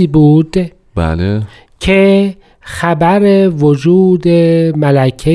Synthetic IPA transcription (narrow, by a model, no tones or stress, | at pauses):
iːbuːd̪̥ | ba̰le | cʰe | xæbæɾevod͡ʒuːd̪emælæcʰe